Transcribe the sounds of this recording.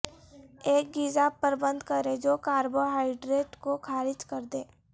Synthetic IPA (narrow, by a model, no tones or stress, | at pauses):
eːk̚ɡɪd͡ʒapːəɾbə̃nd̪kɐɾed͡ʒoːkaːɾboɦaːɪɖɾeːʈkokʰaːɾɪd͡ʒkɐɾd̪eː